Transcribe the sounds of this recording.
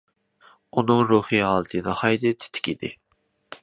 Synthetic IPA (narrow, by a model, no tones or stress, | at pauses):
unɨŋɾuhiɦɑlˠt̪ʰɨnɨhɑjd̪ɨt̪ʰɪ̥t̪ʰɪ̥kʲid̪ɪ̰